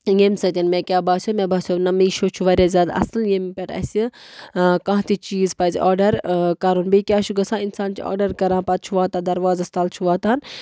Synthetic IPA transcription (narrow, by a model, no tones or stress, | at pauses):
jemsɐt̪ʲinmẽkʲaːbaːsʲomẽbaːsʲonɐmiːʃoːt͡ʃʰuʋɐɾʲaːzʲaːd̪ɐ̰sljempʲeʈɐ̰sʲi | kãːɦt̪it͡ʃiːzpaːziʔaːɾɖɐɾkaːɾunbikʲaːt͡ʃʰuɡɐsãːinsaːnt͡ʃiɔ̰ːɾɖɐɾkɐɾãːpat̪̚t͡ʃʰuʋaːt̪ãːd̪ɐɾʋaːzast̪aːlt͡ʃʰuʋaːt̪aːn